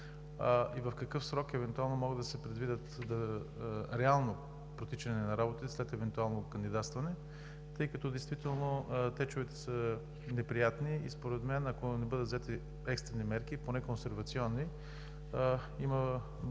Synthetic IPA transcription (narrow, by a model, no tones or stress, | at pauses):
ivɐfkɐkɤfsɾɔkɛvɛnt̪ualˠnomɔɡəd̪d̪ɐsɛpɾɛd̪vid̪ət̪d̪ɐ | ɾɛalˠno | pɾot̪it͡ʃɐnɛnɐɾabot̪it̪ɛslɛt̪ɛvɛnt̪ualˠnokɐnd̪id̪at̪st̪vɐnɛ | t̪ɤjkɐt̪ɔd̪ɛjst̪vit̪ɛlˠnot̪ɛt͡ʃovɛt̪ɛ̥sə | nɛpɾijat̪niḭspoɾɛt̪mɛnɐkonɛbɤd̪ət̪zɛt̪i | ɛkst̪ɾɛnimɛɾkiponɛkonsɛɾvɐt̪siɔnːi | imə